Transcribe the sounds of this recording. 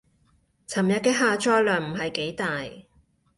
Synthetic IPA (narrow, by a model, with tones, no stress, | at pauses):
t͡sʰɐ˨˩mjɐ˧t̚kɛː˥ɦaː˨˧t͡ʃɔː˥jlœː˨ŋm̩˨˩ɦɐ˨jke˨˥jt̪aː˨j